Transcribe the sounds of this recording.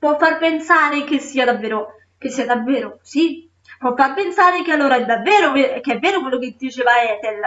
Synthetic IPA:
pwɔfːarpensaːɾekesːiːad̪avːeːɾo | k̟esːiːad̪avːeːɾosi | pːwɔfːarpensaːɾekealːoːɾaɛd̪avːɛːɾokekːeɛvːeːɾokwelːoked̪ːit͡ʃeːvaɛːt̪el

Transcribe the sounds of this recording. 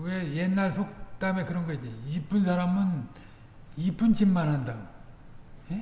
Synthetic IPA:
ɡeje̞nːaɭsʰok̚t͈ame̞kɯɾʌnɡʌid͡ʑiip͈unsʰaɾamɯn | ip͈unt͡ɕimːanɦanda | je

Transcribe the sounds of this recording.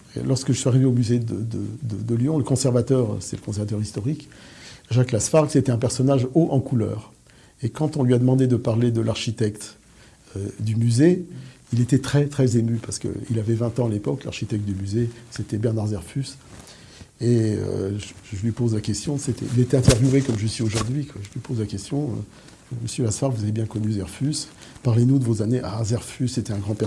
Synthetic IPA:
lɔʁskəʒəsɥiaʁiveomyzed̪əd̪əd̪əd̪əljɔ̃ləkɔ̃sɛʁvat̪œʁ̰sɛ̰ləkɔ̃sɛʁvat̪œʁist̪ɔʁikʒaklasfaʁɡset̪ɛɛ̃pɛʁsɔnaʒoʔɑ̃kulœ̰ːʁ | ekɑ̃t̪ɔ̃lɥiad̪əmɑ̃d̪ed̪əpaʁled̪əlaʁʃit̪ɛkt̪ | ød̪ymyze | ilet̪ɛt̪χɛt̪χɛzemypaʁsə̥kə̰ḭlavɛvɛ̃t̪ɑ̃alepɔkla̰ʁʃit̪ɛk̚t̪̚d̪ymyzeset̪ɛbɛʁnaʁzɛʁfys | eø̰ʒʒəlɥipozlakʲɛst̪jɔ̃set̪ɛ̰ilet̪ɛɛ̃t̪ɛʁvjuvekɔmʒisioʒuʁd̪ɥikwaʒəlɥipozlakʲɛst̪jɔ̰̃ | məsjølasfaʁvuzavebjɛ̃kɔnyzɛʁfys | paʁlenud̪əvozaneʔazɛʁfysːet̪ɛɛ̃ɡʁɑ̃pɛ

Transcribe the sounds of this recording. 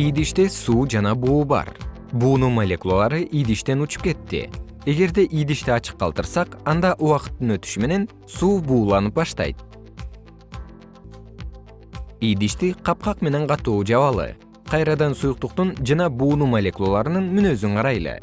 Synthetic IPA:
ijd̪iʃt̪esuːd͡ʒɑnɑbuːbɑ̰ɾ | buːnumalʲe̞kulˠolˠɑɾɯʔijd̪iʃt̪e̞nut͡ʃu̥p̚ke̞t̪ːḭ | e̞ɡe̞ɾd̪e̞ʔijd̪iʃt̪iɑt͡ʃɯ̥qːɑ̰lˠt̪ɯɾsɑqɑnd̪ɑʔuwɑqɯ̥t̪ːɯnøt̪y̥ʃyme̞ne̞n | suːbuːlˠɑnɯp̚bɑʃt̪ɑ̰jt̪̚ | ijd̪iʃt̪iqʰɑp̚qɑqme̞ne̞ɴqɑt̪uːd͡ʒɑβɑlˠɯ̰ | qʰɑjɾɑd̪ɑnsujuq̚t̪uqt̪und͡ʒɑnɑbuːnumalʲe̞kulˠolˠɑɾɯnɯnmynø̞zyɴqʰɑɾɑjlˠɯ̰

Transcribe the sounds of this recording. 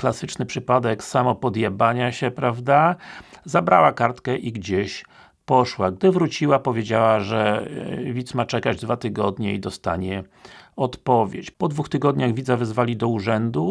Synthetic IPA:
klasɘt͡ʂnɘpʂɘpad̪ɛksamɔpɔd̪jabaɲaɕɛpɾavd̪azabɾa̰wakaɾt̪kɛʔiɡd͡ʑeɕ | pɔʂwaɡd̪ɘvɾut͡ɕiwapɔvʲjed͡ʑawaʐɛvʲit̪smat͡ʂɛkad͡ʑd̪vat̪ɘɡɔd̪ɲɛid̪ɔst̪a̰ɲɛɔt̪pɔvʲjḛt͡ɕpɔd̪vuxt̪ɘɡɔd̪ɲaɣvʲid̪zavɛzvalʲid̪ɔuʐɛnd̪u

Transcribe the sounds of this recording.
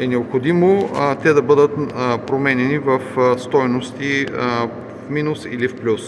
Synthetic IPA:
ɛnɛopxod̪imot̪ɛd̪ɐbɤd̪ət̪pɾomɛnʲɛnivɐfst̪ɔjnost̪i | fminusḭlifplʲus

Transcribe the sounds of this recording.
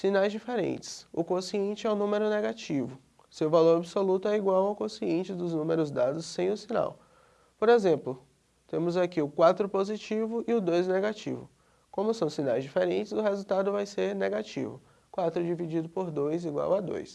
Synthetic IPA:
sinajzd͡ʒifeɾḛ̃nt͡ʃɪ̥sʊkõsiẽnt͡ʃɪɛʊnũmeɾʊneɡat͡ʃivʊ | sewvaloɾabisolut̪ʊɛiɡwawawkõsiẽnt͡ʃɪd̪ʊznũmeɾʊzd̪ad̪ʊsːẽj̃ʊsina̰w | poɾezẽmplʊ | t̪ẽmʊzakiʊkwat̪ɾʊpozit͡ʃivʊɪʊd̪ojzneɡat͡ʃḭvʊ̰ | kõmʊsɐ̃w̃sinajzd͡ʒifeɾẽnt͡ʃɪzʊɦezuwt̪ad̪ʊvajseɾneɡat͡ʃḭvʊ | kwat̪ɾʊd͡ʒivid͡ʒid̪ʊpoɾd̪ojziɡwa̰wad̪o̰js

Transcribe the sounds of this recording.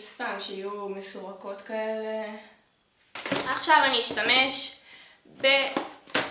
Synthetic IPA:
st̪amʃeajumesoʁako̞t̪kaele | aχʃavaniiʃtame̞ʃ | be

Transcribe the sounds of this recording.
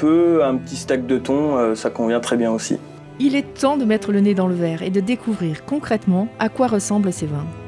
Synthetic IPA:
pøɛ̃pət̪ist̪ak̚d̪ət̪ɔ̃øsakɔ̃vjɛ̃t̪χɛbjɛ̃osḭ | ilɛt̪ɑ̃d̪əmɛt̪χələned̪ɑ̃ləvɛʁed̪əd̪ekʰuvʁiʁkɔ̃kχɛt̪mɑ̃akwaʁəsɑ̃blsevɛ̃

